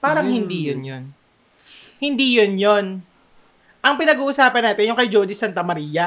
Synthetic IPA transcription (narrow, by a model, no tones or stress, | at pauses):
paːɾɐŋhɪnd̪ijonjon | hɪnd̪iːjonjon | ʔɐŋpɪnɐɡuːʔʊsaːpɐnːaːt̪ɪnjʊŋkɐjd͡ʒod̪isant̪ɐmɐɾiːjɐ